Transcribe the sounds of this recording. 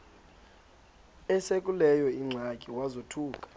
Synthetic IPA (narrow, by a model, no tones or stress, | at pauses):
ɛsek̬ʼulɛjɔiŋ͡ǀʱakʼiwazotʰuːkʼḁ